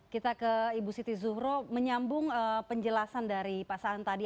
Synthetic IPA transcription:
kit̪akəibusit̪izuɦɾoməɲambʊŋəpəɲd͡ʒəlasandaɾipasaɦant̪adi

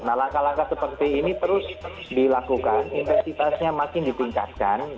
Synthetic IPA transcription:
nalaŋkalaŋkasəpərt̪iːnit̪əɾʊs | dilakukaninfɛnsit̪asɲamakɪndit̪iŋka̰t̪̚kan

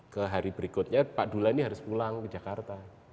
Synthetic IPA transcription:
kəɦaɾibəɾikʊt̪̚ɲapaʔdulaniɦaɾʊspulaŋkəd͡ʒakart̪a

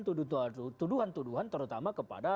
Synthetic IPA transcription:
t̪uut̪uduɦant̪uduɦant̪əɾut̪amakəpa̰da

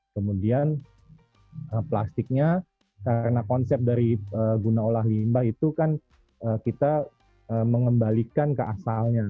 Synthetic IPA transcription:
kəmudian | əplast̪ɪk̚ɲa | kaɾənakɔnsɛp̚daɾiəːɡunaolaɦlimbahit̪ukan | əkit̪a | əːməŋəmbalikankəasalɲa

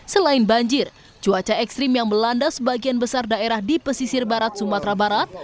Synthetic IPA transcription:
səlaɪnbaɲd͡ʒɪr | t͡ʃuat͡ʃaɛkst̪ɾɪmjaŋməlandasəbaɡianbəsardaeɾahdipəsisɪrbaɾat̪̚sumat̪ɾabaɾat̪̚

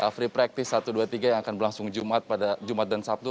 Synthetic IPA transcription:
ʔəfɾipɾak̚t̪ɪsːat̪uduat̪iɡajaŋakanbərlaŋsʊŋd͡ʒumat̪̚padad͡ʒumat̪̚dansap̚t̪u

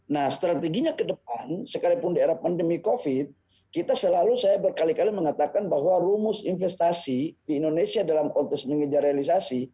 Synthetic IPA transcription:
nahst̪ɾat̪eɡiɲakədəp̚ansəkaɾipʊndaeɾahpandəmikofit̪̚ | kit̪asəlalusajabərkalikaliməŋat̪akanbaɦwarumʊsinfɛst̪asidiːndonesiadalamkɔnt̪ɛks̚məŋəd͡ʒaɾealis̬asi

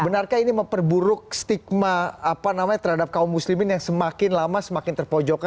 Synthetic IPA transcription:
bənarkainiməmpərbuɾʊk̚st̪ik̚maapanamaɲat̪ərhadap̚kaumːuslimɪnjaŋsəmakɪnlamasəmakɪnt̪ərpɔd͡ʒoka

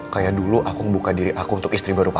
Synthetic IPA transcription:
kajaduluʔakuŋəbukadiɾiʔakuunt̪ʊkist̪ɾibaɾupa

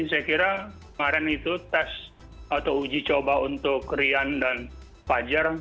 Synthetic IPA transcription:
insɛjkiɾa | maɾɛnit̪ut̪ɛsat̪awud͡ʒit͡ʃobaunt̪ʊkːɾiandan | pad͡ʒar

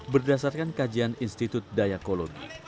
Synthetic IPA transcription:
bərdasarkankad͡ʒianinst̪it̪ut̪̚dajakoloɡḭ

